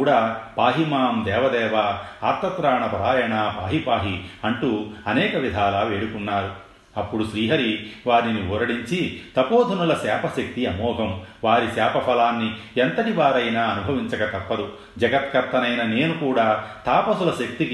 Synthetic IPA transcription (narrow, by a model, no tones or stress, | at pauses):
ɽaːpaːɦimaːmd̪ɛːʋɐd̪ɛːʋaaːɾt̪ːɐt̪ɾaːɳɐpɐɾaːjɐɳaːpaːɦipaːɦiɐɳʈuːɐnɛːkɐʋid̪ʱaːlaːʋe̞ːɽukunːaːɾu | ɐpːuɽuʃɾiːɦɐɾiʋaːɾiniɔːɾɐɽiɲt͡ʃit̪ɐpoːd̪ʱɐnulɐsɛːpʰɐʃɐk̚t̪iɐmɔːɡʱɐmʋaːɾisɛːpʰɐpʰɐlaːnːient̪ɐʈiʋaːɾɐjnaːɐnubʱɐʋiɲt͡ʃɐkɐt̪ɐpːɐd̪u | d͡ʒɐɡɐt̪̚kɐɾt̪ːɐnɐjnɐne̞ːnukuːɽaːt̪aːpɐsulɐʃɐk̚t̪ik